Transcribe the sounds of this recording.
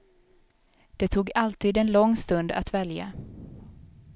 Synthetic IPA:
d̪̥ɛt̪ʰuːɡalt̪iːd̪ɛnlɔŋːst̪ɵnd̪a̰t̪vɛlja̰

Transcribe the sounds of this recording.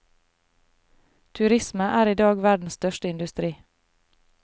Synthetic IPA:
t̪ʰʉɾɪsməʔæːɾiːd̪ɑːɡʋæɖɳ̩st̪œʃtəɪnd̪ʉst̪ɾiː

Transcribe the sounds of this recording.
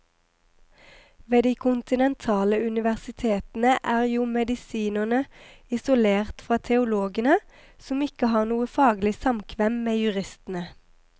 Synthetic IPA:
ʋeːd̪iːkʰʊnt̪ɪnɛnt̪ʰɑːləʉnɪʋæʁsɪt̪ʰeːt̪n̩əʔæːʁjuːmɛd̪ɪsiːnənəɪsʊleːʁt̪fʁɑːt̪ʰɛʊloːɡənə | sɔmɪkəhɑːʁnuːəfɑːɡlɪsɑmkʰʋɛmmeːjʉʁɪst̪n̩ə

